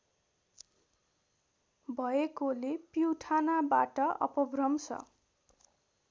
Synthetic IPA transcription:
bʱʌekolepiwʈʰanabaʈʌʌ̰pʌbrʌmsʰʌ̰

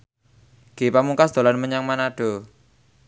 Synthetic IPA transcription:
ɡ̥epamuŋkasd̪̥o̤lanməɲaŋmanaɖ̥o̤

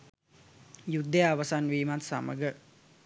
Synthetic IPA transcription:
jud̪ːejaʋəsanʋiːmat̪sa̰mə̰ɡə

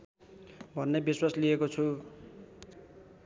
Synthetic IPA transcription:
bʱʌnːebiswasliekot͡sʰu

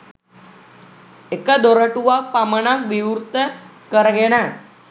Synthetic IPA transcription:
ekad̪oɾəʈuʋapaməɳ̃akʋiwɾt̪ə | kəɾɡeɽ̃ã

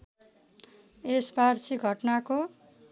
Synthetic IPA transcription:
esbarsiɡʱʌʈnako

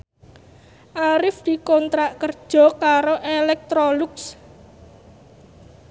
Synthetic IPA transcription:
ʔaɾɪfd̪̥i̤kont̪ɾaʔkərd̥ʒ̥ɔ̤kaɾoʔelɛk̚t̪ɾolʊks

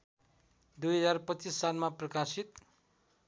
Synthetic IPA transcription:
d̪ujɦʌd͡zarpʌt͡sisːalmaprʌkasit̪̚

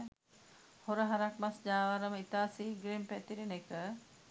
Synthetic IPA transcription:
hoɾəɦaɾak̚masd͡ʒaːʋaɾəməit̪aːsiɡɾempɛt̪iɾenekə

